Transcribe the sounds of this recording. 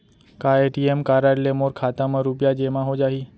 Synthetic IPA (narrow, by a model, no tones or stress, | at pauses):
kaeʈiemkaɾaɽlemoɾkʰat̪aməɾupjad͡ʑemãɦod͡ʑaɦiː